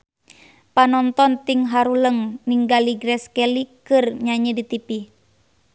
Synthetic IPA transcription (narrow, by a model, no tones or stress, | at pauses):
panɔnt̪ɔnt̪iŋɦaɾuləŋniŋɡaliɡɾɛskɛlikɨrɲaɲidit̪ipi